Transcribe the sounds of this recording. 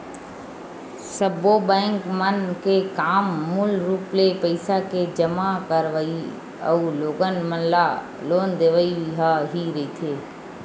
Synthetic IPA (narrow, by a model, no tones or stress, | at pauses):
səbobɛ̃ːŋkmənkekaːmːʊlɾuːplepəɪsaked͡ʒəmakəɾʋəi | ə̰uloːɡənmənla | loːnd̪eːʋəiɦaɦiɾɐit̪ʰeː